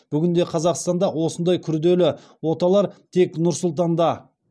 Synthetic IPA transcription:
b̥ʏɡʲɪnd̪e̞qʰɑzɑqst̪ɑnd̪ɑwo̞sənd̪ɑjkʲʰʏɾd̪e̞lɪ | wo̞t̪ɑlˠɑɾt̪ʰe̞knʊɾsʊlˠt̪ɑnd̪ɑ

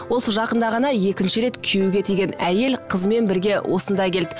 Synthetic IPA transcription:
wo̞səʒɑqənd̪ɑʁɑnɑje̞kʲɪnʃɪɾe̞t̪kʲʰejuɡʲe̞t̪ʰejɡʲe̞næje̞lqʰəzme̞nbɪɾɡʲe̞wʔo̞sənd̪ɑjkʲʰe̞ld̪ɪ

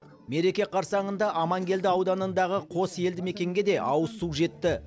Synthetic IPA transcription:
me̞ɾe̞kʲe̞qʰɑɾsɑɴənd̪ɑʔɑmɑŋɡʲe̞ld̪ɪɑwd̪ɑnənd̪ɑʁəqʰo̞se̞ld̪ɪme̞kʲe̞ŋɡʲe̞d̪e̞ʔɑwəsuʒe̞t̪ːɪ

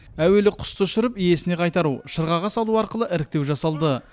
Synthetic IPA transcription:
æwe̞lɪqʰʊ̥st̪əʃʏɾɪpije̞sɪne̞qʰɑjt̪ɑɾuʃəɾʁɑʁɑsɑlˠuɑɾqəlˠəʔɪɾɪk̚t̪e̞wʒɑsɑlˠd̪ə

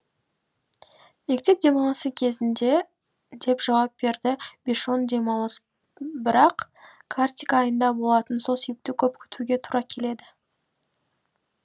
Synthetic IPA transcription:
me̞kt̪e̞p̚d̪e̞mɑlˠəsəkʲʰe̞zɪnd̪e̞ | d̪e̞pʒɑwɑp̚b̥e̞ɾd̪ɪbʲiʃond̪e̞mɑlˠəs | bɪɾɑq | kʰart̪ʲikaːjənd̪ɑbo̞lˠɑt̪ənso̞lˠse̞be̞p̚t̪ɪkʲʰɵpkʲʰʏ̥t̪uɡʲe̞t̪ʰuɾɑkʲʰe̞le̞d̪ɪ

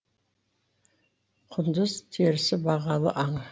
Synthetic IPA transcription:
qʰʊnd̪əzt̪ʰeɾɪsɪbɑʁɑlˠə̰ʔɑɴ

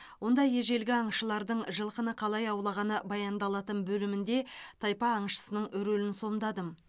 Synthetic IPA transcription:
wo̞nd̪ɑje̞ʒe̞lɡʲɪɑɴʃəlˠɑɾd̪əɴʒəlˠqənəqʰɑlˠɑjɑwlˠɑʁɑnəbɑjɑnd̪ɑlˠɑt̪ənbɵlɪmɪnd̪e̞t̪ʰɑjpɑːɴʃə̥sənəɴʏɾɵlɪnso̞md̪ɑd̪əm

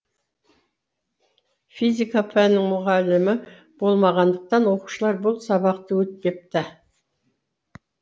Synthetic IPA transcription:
fijzʲikapʰænːɪŋmʊʁɑlɪmɪ | b̥o̞lˠmɑʁɑnd̪əq̚t̪ɑnwo̞qu̥ʃəlˠɑɾbʊlˠsɑbɑqt̪əwɵt̪̚pe̞p̚t̪ɪ

